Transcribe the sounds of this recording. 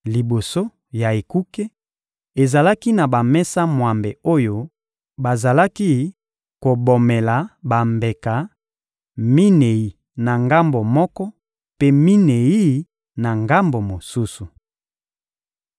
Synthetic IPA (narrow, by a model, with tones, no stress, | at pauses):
li˨bo˨so˦ | ja˨e˨ku˦ke˦ | e˨za˨la˦ki˦na˨ba˨mɛ˦sa˦mwa˨mbe˨o˦jo˦ | ba˨za˨la˦ki˦ | ko˨bo˨mɛ˨la˨ba˨mbe˨ka˨ | mi˦ne˨ji˨ | na˨ŋɡa˦mbo˨mɔ˦kɔ˦ | pe˦mi˦ne˨i˦ | na˨ŋɡa˦mbo˨mo˨su˦su˨